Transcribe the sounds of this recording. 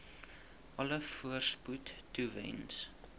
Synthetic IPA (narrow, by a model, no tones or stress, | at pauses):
ʔɐləfuərsputːuvɛ̰ns